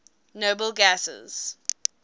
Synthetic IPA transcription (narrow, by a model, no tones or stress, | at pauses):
noːbəlˠɡasə̰z̥